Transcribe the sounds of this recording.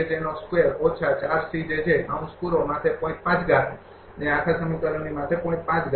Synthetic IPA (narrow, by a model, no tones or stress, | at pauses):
ed͡ʒenoskueɾot͡ʃʰat͡ʃaɾsid͡ʒet͡ʃʰeʔa̰ũskuɾomãt̪ʰepɔ̃ĩk̚pãt͡ʃɡaɾ | neakʰasəmikəɾəɳnimãt̪ʰepɔ̃ĩk̚pãt͡ʃɡ